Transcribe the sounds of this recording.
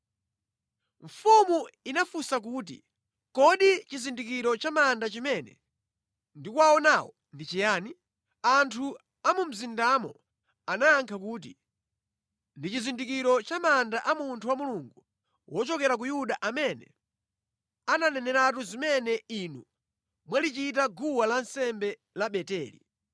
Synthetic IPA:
ɱ̩fumuinafusak̬uːt̬ḭ | kɔɗit͡ʃizindik̬iɾɔt͡ʃamandat͡ʃimɛnɛ̰ | ndikuaɔnawɔ | ndit͡ʃijaːni | antʰu | amum̩zindamɔ̰ | anaːŋkʰak̬uːt̬ḭ | ndit͡ʃizindikiɾɔt͡ʃamandaʔamuntʰuwamuluŋɡu | wɔt͡ʃɔkɛɾak̬ujuɗaʔamɛnɛ̰ | ananɛnɛɾatuzimɛnɛinu | mwalit͡ʃitaɡuwalansɛmbɛ | laɓɛtɛːlḭ

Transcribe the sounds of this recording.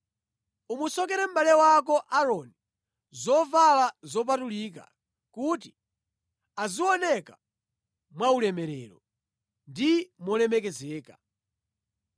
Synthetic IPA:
umusɔkɛɾɛm̩balɛwakɔʔaɾɔni | zɔvalazɔp̬atulik̬a̰ | kuti | aziwɔnɛka | mwaulɛmɛɾɛ̰lɔ | ndimwɔlɛmɛkɛzɛːkḁ

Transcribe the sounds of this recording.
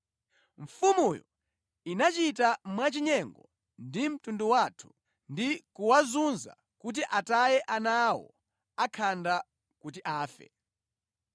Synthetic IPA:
ɱ̩fumujɔ̰ | inat͡ʃitamwat͡ʃiɲɛŋɡɔ | ndim̩tunduwatʰu̥ | ndikuwazunza̰ | kut̬iʔatajɛʔanawɔ̰ | akʰanda | kut̬iʔaːfɛ̰

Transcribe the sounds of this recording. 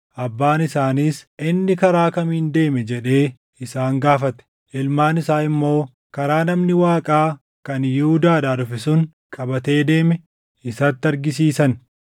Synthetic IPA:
ʔɐbːaːnɪsaːniːsʔɪnːɪkɐɾaːkɐmiːnd̪e̞ːmɛd͡ʒɛᶑe̞ː | ɪsaːŋɡaːfɐt̪ɛ̥ | ʔɪlmaːnɪsaːɪmːo̞ː | kɐɾaːnɐmnɪwaːkʼaː | kɐnjɪhʊd̪aːd̪aːd̪ʊfɪsʊn | kʼɐbɐt̪e̞ːd̪e̞ːmɛ | ɪsɐt̪ːɐɾɡɪsiːsɐn

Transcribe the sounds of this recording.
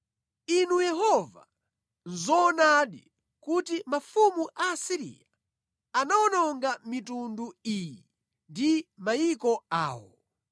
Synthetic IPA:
inujɛɦɔva̰ | nzɔːnaɗi | kutimafumuʔasiɾḭja | anaɔnɔŋɡamitunduiji | ndimajikɔa̰ːwɔ

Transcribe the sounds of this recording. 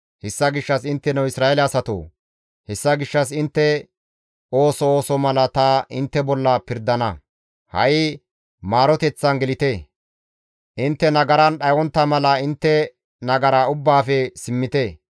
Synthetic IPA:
hɛsːɐɡɪʃːɐsɪnt̪ːɛnɛwɪsɾaːelɛɐsɐt̪o̰ː | hɛsːɐɡɪʃːɐs̬ɪnt̪ːɛ | o̞ːsɔoːsɔmɐlɐt̪ɐʔɪnt̪ːɛbɔlːɐpɪɾd̪ɐnɐ | hɐ̰ʔɪ | maːɾɔt̪ɛt͡sːɐnɡɛlɪt̪e | ʔɪnt̪ːɛnɐɡɐɾɐnɗɐjwɔnt̪ːɐmɐlɐɪnt̪ːɛ | nɐɡɐɾaːʊbːaːfɛsɪmːɪt̪e

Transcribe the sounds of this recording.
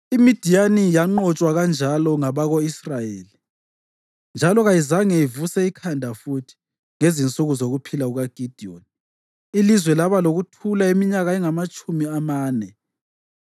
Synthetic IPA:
imid̥ʱijanijaŋ͡ǃɔt͡ʃʼwaɣand͡ʒʱalɔŋaβaɣoisrajeːli | nd͡ʒʱalɔɣajizaŋɛivusɛikʰandʱafutʰi̥ | ŋezint͡sʼuɣuzoɣupʰilauɣaɡ̥ʱid̥ʱion | ilizwɛlaβaloɣutʰulaemiɲaɣaɛŋamat͡ʃʼumiamaːnɛ

